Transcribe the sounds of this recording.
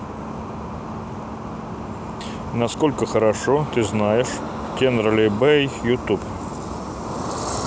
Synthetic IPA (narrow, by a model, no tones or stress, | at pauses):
nɐskolʲkəxəɾɐʂot̪ɨznajɪʂ | tʲend̪ɾəlʲɪbɛijʊt̪up